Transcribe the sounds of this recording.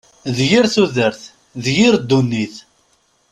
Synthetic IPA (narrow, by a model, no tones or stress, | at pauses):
ðjiɾθuðəɾθ | ðjiɾd̪ːunːiθ